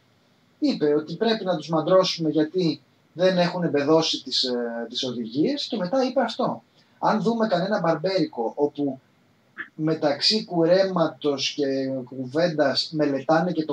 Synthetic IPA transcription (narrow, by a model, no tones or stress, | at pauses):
ipe̞o̞t̪ipɾe̞pinɐt̪uzmɐnd̪ɾo̞sume̞ʝɐt̪i | ðe̞ne̞xune̞be̞ðo̞sit̪ist̪iso̞ðiʝie̞sce̞me̞t̪ɐipeɐft̪o̞ | ɐnðume̞kɐne̞nɐbɐɾbe̞ɾiko̞ʔo̞pu | me̞t̪ɐksikuɾe̞mɐt̪o̞sce̞kuve̞nd̪ɐsme̞le̞t̪ɐnece̞t̪o